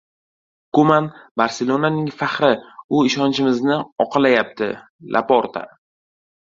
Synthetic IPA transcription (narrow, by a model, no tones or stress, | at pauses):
komanbaɾselˠonanɪŋfaχɾɪʊɪʃɒnt͡ʃʰɪmɪznɪɒqʰɨlajap̚t̪ʰɪ̰ | lʔa̰poɾt̪ʰa̰